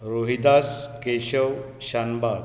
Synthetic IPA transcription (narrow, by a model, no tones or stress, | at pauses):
ɾoɦid̪askeɕəw | ɕanba